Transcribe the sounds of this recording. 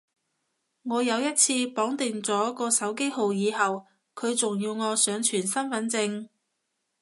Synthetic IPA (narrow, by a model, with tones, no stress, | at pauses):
ŋɔː˨˧jɐ˨˧wjɐ˥t̚t͡sʰiː˧pɔː˨˥ŋt̪ɪ˨˩ŋt͡sɔː˨˥kɔː˧sɐ˨˥wke˥jho˨wjiː˨˧hɐ˨w | kʰɵ˨˧ɥt͡sʊ˨ŋjiː˧wŋɔː˨˧sœː˨˧ŋt͡ʃʰyː˨˩nsɐ˥nfɐ˨˥nt͡sɪ˧ŋ